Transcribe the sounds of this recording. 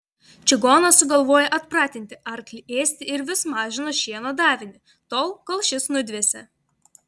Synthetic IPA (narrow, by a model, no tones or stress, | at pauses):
t͡ʃʲɪɡoːnɐsʊɡɐlˠʋoːjɛʔɐt̪pɾɑːt̪ʲɪnʲt̪ʲɪʔɐɾklʲɪeːsʲt̪ʲɪɪɾʋʲɪsmɑːʒʲɪnoːʃʲiɛnod̪ɑːʋʲɪnʲɪ | t̪oːlˠkɔlˠʃʲɪsnʊd̪ʲʋʲeːsʲɛ